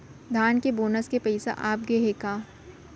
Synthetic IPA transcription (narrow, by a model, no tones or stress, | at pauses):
d̪ʱaːnkeboːnəskepɐɪsa̰ʔaːp̚ɡeɦekaː